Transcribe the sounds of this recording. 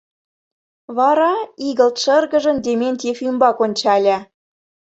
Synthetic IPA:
βɑɾɑiɣə̆lt̪ʃə̆rɣə̆ʒə̆nd̪ʲemʲenʲt̪ʲefymbɑkonʲt͡ɕɑlʲæ

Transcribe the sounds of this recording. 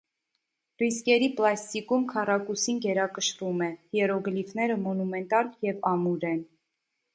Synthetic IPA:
riskɛɾiplɑst̪ikumkʰɑrɑkusinɡɛɾɑkəʃɾumɛjɛɾɔɡəlifnɛɾəmɔnumɛnt̪ɑljɛvɑmuɾɛn

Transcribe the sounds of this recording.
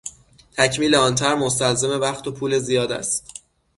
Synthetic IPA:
t̪ʰæcʰmiːleɒːnt̪ʰæɾmos̬t̪ælze̞me̞væxt̪ʰo̞pʰuːle̞zijɒːd̪æ̰st̪

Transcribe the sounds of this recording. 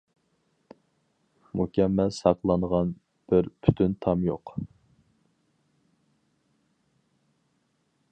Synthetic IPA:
mukʲɛmːɛlsɑqlˠɑnʁɑn | b̥ɪɾpʰyt̪ʰynt̪ʰɑmjoq

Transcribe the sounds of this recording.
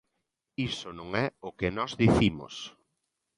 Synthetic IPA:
isʊnõŋɛʊkenɔzðiθimʊ̰s

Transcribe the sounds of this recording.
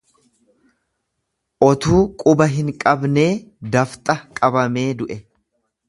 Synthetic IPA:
ʔɔt̪uːkʼʊbɐɦɪŋkʼɐbne̞ːd̪ɐft̪ʼɐkʼɐbɐme̞ːd̪ʊʔɛ

